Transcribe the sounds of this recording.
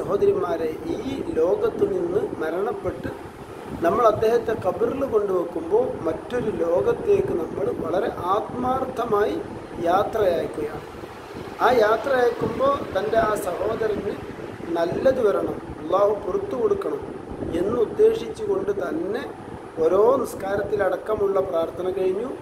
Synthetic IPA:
sɐɦo̞ːd̪ɐɾjimaːɾeʔiːlo̞ːɡɐt̪ːɨninːɨmɐɾɐɳɐpːe̞ʈːɨ | nɐmːɐɭɐd̪ːe̞ːhɐt̪ːe̞kɐbɨrilɨko̞ɳɖuʋɐkːumbo̞ːmɐtːo̞ɾulo̞ːɡɐt̪ːe̞ːkːɨnɐmːɐɭʋɐɭɐɾe̞ʔaːt̪maːrt̪ʰːɐmaːji | jaːt̪rɐjaːkːuɐjaːɳɨ | aːjaːt̪rɐjaːkːumbo̞ːt̪ɐnde̞aːsɐho̞ːd̪ɐɾɐne | nɐlːɐd̪uʋɐɾɐɳɐmɐlˠːaːhupurɐt̪ːuko̞ɽukːɐɳɐm | e̞nːɨud̪ːe̞ːʂit͡ɕːuko̞ɳɖɨt̪ɐnːe̞ | o̞ːɾo̞ːniskaːɾɐt̪ːilɐɽɐkːɐmuɭːɐpraːrt̪ʰɐnɐkɐɻiɲːu

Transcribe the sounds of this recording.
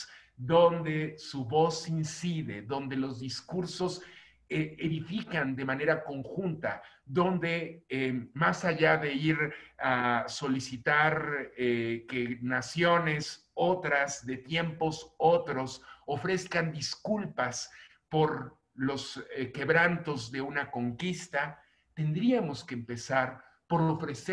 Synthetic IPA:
ðo̞nd̪e̞suβo̞sinsiðe̞̰ðo̞nd̪e̞lo̞zðiskuɾso̞s | eeðifikand̪e̞mane̞ɾako̞ŋxunt̪a | ðo̞nd̪e̞emasaʝaðe̞iɾaso̞lisit̪aɾ | ke̞nasjo̞ne̞s | o̞t̪ɾazðe̞t̪je̞mpo̞sot̪ɾo̞sofɾe̞skand̪iskulpas | po̞ɾ | lo̞ske̞βɾant̪o̞zðeunako̞ŋkist̪a | t̪e̞nd̪ɾiamo̞ske̞ːmpe̞saɾ | po̞ɾo̞fɾe̞se

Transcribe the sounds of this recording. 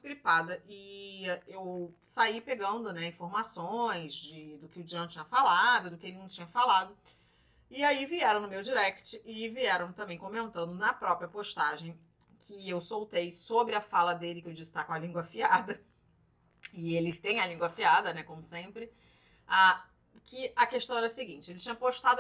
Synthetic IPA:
skɾipad̪ɐʔɪ | ewsaipeɡɐ̃nd̪ʊnɛĩfoɾmasõj̃zd͡ʒɪd̪ʊkɪʊd͡ʒiɐ̃t͡ʃĩɲɐfalad̪ʊd̪ʊkɪelɪnɐ̃w̃t͡ʃĩɲɐfalad̪ʊ | ɪaiviɛɾɐ̃w̃nʊmewd͡ʒiɾɛkt͡ʃɪʔɪviɛɾɐ̃w̃t̪ɐ̃mbẽj̃kõmẽnt̪ɐ̃nd̪ʊnɐpɾɔpɾiɐpoʃt̪aʒẽj̃ | kʰɪewsowt̪ejsobɾɪɐfalɐd̪elɪkewd͡ʒisɪ̥t̪akõɐlĩŋɡwɐfiad̪ɐ | ɪelɪt̪ẽj̃ɐlĩŋɡwɐfiad̪ɐnɛkõmʊsẽpɾɪ | a | kɪɐkeʃt̪ɐ̃w̃ɛɾɐsɪɡĩt͡ʃɪelɪt͡ʃĩɲɐpoʃt̪ad̪

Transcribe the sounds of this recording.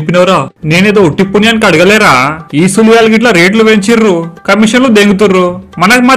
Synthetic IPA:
pːinɐʋɾaːne̞ːneːd̪oːuʈːipːunjaːnikɐɽuɡɐlɛːɾaːiːsulujaːlɡiʈlɐɾeːʈluʋeɲt͡ʃiɾːukɐmiʂɐnlud̪eːŋɡut̪̬urːumɐnɐkima

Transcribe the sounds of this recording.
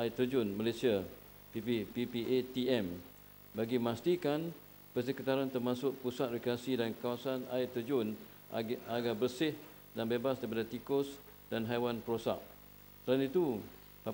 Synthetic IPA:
ait̪əd͡ʒʊnmalasia | pipipipiʔet̪iɛm | baɡimãst̪ikan | pərs̬əkit̪aɾant̪ərmãsʊʔpusat̪̚rekɾasidankawasanaɪt̪əd͡ʒʊn | aɡabərsɪh | danbebasdaɾipadat̪ikʊs | danɦajwanpəɾosa̰ʔ | t̪əɾanit̪u | a

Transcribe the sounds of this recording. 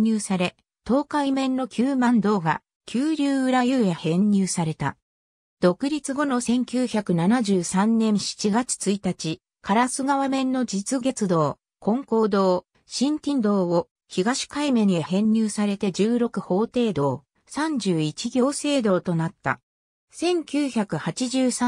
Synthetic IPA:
ɨːsaɾe̞ | t̪o̞ːkaimẽ̞nːo̞kʲɨːmãnd̪o̞ːɡa̰ | kʲɨːɾʲɨːɯ̟ɾajɯːjahẽ̞ɲ̟ːʲɨːsaɾe̞t̪a̰ | d̪̥o̞kɯ̟ɾʲit͡sɨɡo̞no̞sẽ̞ŋkʲɨːçakɯ̟nanaʑɨːsãnːẽ̞ɰ̃ɕi̥t͡ɕiɡat͡si̥t͡sɨit̪at͡ɕi | kʰaɾasɨɡaβamẽ̞nːo̞d͡ʑit͡sɨɡe̞t͡sɨd̪o̞ː | kõ̞ŋko̞ːd̪o̞ː | ɕĩnt̪ʲĩnd̪o̞ːo | çiɡaɕi̥kaimẽ̞ɲiaɦẽ̞ɲ̟ːʲɨːsaɾe̞t̪e̞d͡ʑɨːɾo̞kɯ̟ho̞ːt̪e̞ːd̪o̞ː | sãɲ̟d͡ʑɨːit͡ɕiɡʲo̞ːse̞ːd̪o̞ːt̪o̞nat̪ːa̰ | sẽ̞ŋkʲɨːçakɯ̟hat͡ɕiʑɨːsa

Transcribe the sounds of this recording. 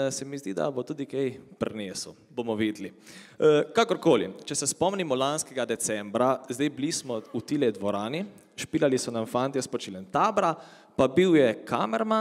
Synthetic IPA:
sɛmizd̪id̪a̰bot̪uːd̪ikɛjpɾneːsu | bomɔʋiːd̪liəkakɔɾkoːlḭt͡ʃɛsɛspɔmnimɔlanskɛɡad̪ɛsɛmbɾazd̪ejblismɔut̪ilɛd̪ʋɔɾaːni | ʃpiːlalisɔnanfant̪iɛspɔt͡ʃilɛnt̪aːbɾa | pabiwjɛkʰamɛɾma

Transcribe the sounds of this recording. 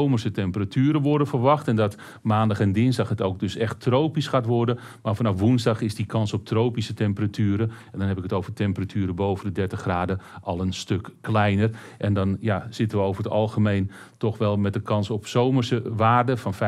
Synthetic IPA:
omərsətɛmpəratʰyːɾəʋɔrdənfərʋɑxtɛndɔt | maːndɑχɛndɪnzdɑxɦətowk̚dɵsɛxtrowpisxaːtʋɔrdə | maːɹfɑnɑfʋunzdɑxɪsdikʰɑnsɔp̚tʰrowpisətɛmpəratʰyːəɾəɛndɔnɦɛpɪkətowvərtɛmpəratʰyːɾəbowvəndədɛɹtəχxraːdəʔɑlˠənstøkːlɛjnər | ʔɛndɔnjaz̥ɪtənʋəowvərətɑlˠχəmejn | tɔxʋɛlˠmɛt̚dəkʰɑnsɔpsowmərsəʋaːrdəfɑnfɛ

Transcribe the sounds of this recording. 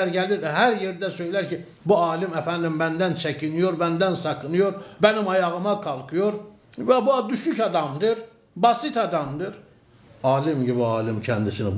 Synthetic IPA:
ɾɟæliɾɦæɾjeɾd̪æsøjlæɾci | buɑːlimæfænd̪imbænd̪ænt͡ʃʰæcʰinijoɾbænd̪ænsɑkʰɯnɯjoɾbænimɑjɑɣɯmɑkʰɑlˠkʰɯjoɾ | væbuɑd̪yʃycɑd̪ɑmd̪ɯɾ | bɑsit̪ɑd̪ɑmd̪ɯɾ | ɑːlimɟibiɑːlimcʰænd̪isini

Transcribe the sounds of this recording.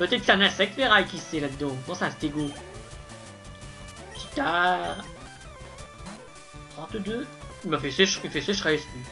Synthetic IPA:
pət̪ɛt̪̚kə̥sɛ̃nɛ̃sɛk̚t̪veʁajkʲisɛlad̪d̪ɑ̃mɑ̃sɛ̃st̪eɡo | t̪i̥t̪a | ʁaʁt̪əd̪øimafɛsɛʃilfɛseʃχɛsli

